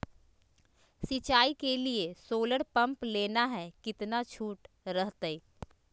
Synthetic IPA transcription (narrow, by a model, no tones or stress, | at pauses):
sit͡ʃaːikeliesoːləɽpɐ̃mpleːnaɦɛkɪt̪nat͡ʃʰuːʈ | ɾəɦt̪eiː